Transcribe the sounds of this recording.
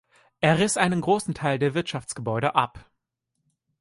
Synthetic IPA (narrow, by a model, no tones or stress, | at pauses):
ʔeːɐʁɪsʔaɪnənɡʁoːsn̩tʰaɪldeːɐvɪɐtʃaft͡sɡ̥əbɔʏɾəʔa̰p